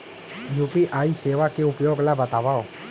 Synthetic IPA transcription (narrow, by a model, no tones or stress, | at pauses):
jupiʔaːiseʋakeʊpjoːɡlabət̪aʋao